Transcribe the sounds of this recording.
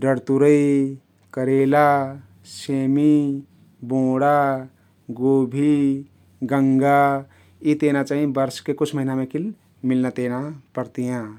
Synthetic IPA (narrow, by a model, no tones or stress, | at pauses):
ɖəɽt̪uɾəi | kəɾela | semi | bõɽa | ɡobʱi | ɡəŋɡa | it̪enat͡ʃaːɦiebəɾskekut͡ʃʰməɦinamẽkil | milnat̪enapəɾt̪ijã